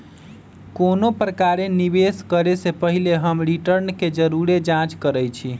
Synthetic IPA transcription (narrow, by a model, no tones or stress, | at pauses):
konopɾəkaɾenibeskəɾesepəɦileɦəmɾiʈəɾnked͡ʒəɾuɾed͡ʒãt͡ʃkəɾəjt͡ʃʰi